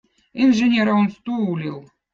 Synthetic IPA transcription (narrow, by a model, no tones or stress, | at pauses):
inʐenʲeɾaonst̪uulʲilˠ